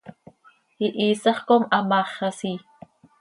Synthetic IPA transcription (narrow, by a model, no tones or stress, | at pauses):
hiʔiːsɑχkomʔɑmɑːχɑsi